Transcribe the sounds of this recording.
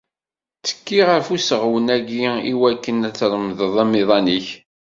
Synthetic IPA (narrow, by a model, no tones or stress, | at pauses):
t͡sːə̥kːiʁəɾfusəʁwənæɡiiwækːənæt͡sːɾˤəmðəðˤæmiðˤɑniç